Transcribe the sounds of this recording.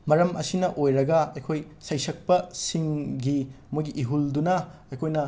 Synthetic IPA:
mɐɾɐmʔɐ̰sinɐʔojɾɐɡɐɐjkʰoj | sɐjsɐk̚pɐsiŋɡi | mojɡiʔiɦuldunɐɐjkʰojnɐ

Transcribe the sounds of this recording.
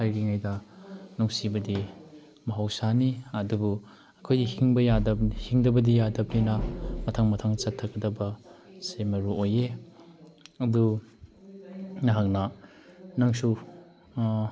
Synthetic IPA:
hajɡiŋajdɐnuŋsibɐdi | mɐɦawsaniɐdubu | ɐkʰojdihiŋbɐjadɐhiŋdɐbɐdijadɐp̚ninɐmɐtʰaŋmɐtʰaŋt͡ʃɐtʰːɐkːɐdɐbɐsemɐɾuoje | ɐdu | nɐɦak̚nɐ | naŋsu

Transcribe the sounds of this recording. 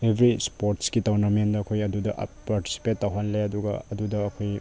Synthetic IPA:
ebʱɾispoɾtskitawnɐmendɐːkʰojɐdudɐʔpaɾti̥si̥petːɐwɦanleɐduɡɐ̰ɐdudɐːkʰoj

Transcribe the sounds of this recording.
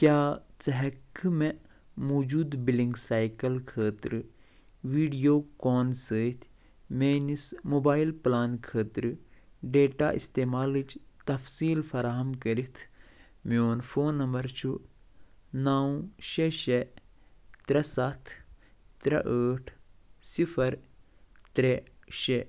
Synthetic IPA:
kjaːt͡sɐɦɐkːɨme | moːd͡ʒuːd̪biliŋɡsaːjkɐlkʰəːt̪ɾɨ | ʋiːɖijoːkoːnsəːt̪ʰ | meːnismoːbaːilplaːnkʰəːt̪ɾɨɖeːʈa̰ːʔist̪eːmaːlɨt͡ʃt̪ɐfsiːlfɐɾaːɦɐmkɐɾit̪ʰ | moːnfʰoːnːɐmbɐɾt͡ʃʰu | naːũʃeʃe | t̪ɾɐsɐt̪ʰt̪ɾɐʔəːʈʰsifʰɐɾ | t̪ɾeʃe

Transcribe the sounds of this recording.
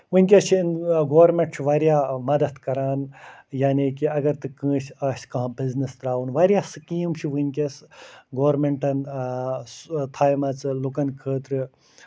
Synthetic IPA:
ʋɨnʲkʲet͡ʃʰinɡoːʋɐɾmẽɳʈt͡ʃʰiʋaːɾjaːmɐd̪ɐt̪kɐɾaːnjaːniːkiɐɡɐɾt̪ɨkə̃ːʃaːʃkɐɦãbiznist̪ɾaːʋunʋaːɾjaːsɨkijmt͡ʃʰiʋɨnʲkʲɐsɡoːɾmeɳʈɐn | t̪ʰaːjmɐt͡sɨlukɐnkʰəːt̪ɾɨ

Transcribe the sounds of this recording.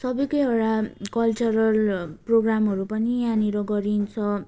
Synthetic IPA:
sʌbʌjkʌjoɽakʌlt͡sʌɾʌlproɡramɦʌɾupʌnianiɾʌɡʌɾint͡sʰʌ

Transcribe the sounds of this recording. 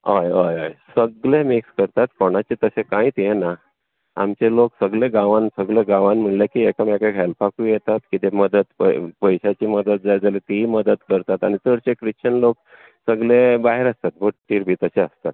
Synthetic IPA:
ɦəjəjəjsəɡlemikskəɾt̪at̪koɽ̃at͡ɕet̪əsekãĩːt̪jena | a̰mt͡ɕeloksəɡleɡãʋãnsəɡleɡãʋanm̤əɳljakiːekamakakɛlpakuːjet̪at̪kit̪eməd̪ət̪pə̰pəjɕat͡ɕiːməd̪ət̪̚d͡zajd͡zalit̪iməd̪ət̪kəɾt̪at̪a̰ñit̪əɾt͡ɕekɾiɕəɳlok̚ | səɡlebaɦeɾəst̪at̪̚bʱoʈʈːiːɾbʱiːt̪əseəst̪at̪̚

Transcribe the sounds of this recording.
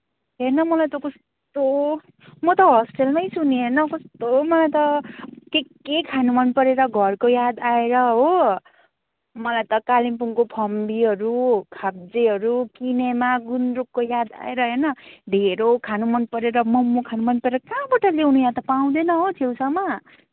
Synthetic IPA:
ɦenʌmʌlajt̪ʌkʌs | t̪o | mʌt̪ʌɦʌsʈelmʌjsuniɦenʌkʌst̪omʌlajt̪ʌke | ekʰanumʌnpʌɾeɾʌɡʱʌrkojad̪aeɾʌɦo | mʌlajt̪ʌkalimpuŋkopʰʌmbiɦʌɾukʰab̚d͡zeɦʌɾukinemaɡunrukːojad̪a̰eɾʌɦʌjnʌd̪ʱeɾokʰanumʌnpʌɾeɾʌmʌmːokʰanumʌnpʌɾeɾʌkãbaʈʌlewnujat̪ʌpaw̃d̪enʌɦot͡s̪ʰewsʰʌma

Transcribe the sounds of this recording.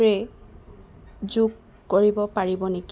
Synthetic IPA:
ɹɛ | zuk | koɹibɔpaɹibɔneki

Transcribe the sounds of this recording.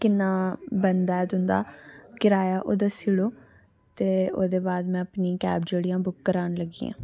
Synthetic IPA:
kɪnːaːbənd̪aːɛːd̪ʊnd̪a̰ːkɪɾaːjaːʔoːd̪asiɽoː | t̪eːoːd̪eːbaːd̪mɛ̃ːəpniːkɛ̰ːbd͡ʒeːɽijãːbʊkːəɾaːnləɡiːã̰ː

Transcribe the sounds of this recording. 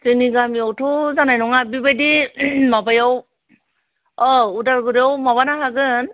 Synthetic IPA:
sɯniɡamiawtʰɔzanajnɔŋabibajdimabajaw | ɔudaɾɡɯɾiawmaβanaɦaɡɯn

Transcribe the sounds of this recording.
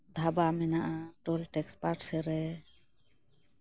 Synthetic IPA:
d̪ʱabamɛnaʔaʈolʈɛkspaʈsɛɾɛ

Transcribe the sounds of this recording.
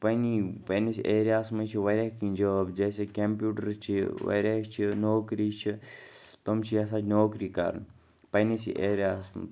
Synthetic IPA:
pɐnipɐnisiʔeːɾʲjaːsmɐt͡ʃʰiʋɐɾʲaːɦkĩnʲd͡ʒoːbd͡ʒeːsekɐmpjuːʈɐɾt͡ʃʰiʋɐ̰ːɾʲaːt͡ʃʰinoːkɾit͡ʃʰit̪omt͡ʃʰiɐs̬ad͡ʒʰnoːkɾiːka̰ɾ̰n | pɐnisḭʔeːɾjaːsm̰

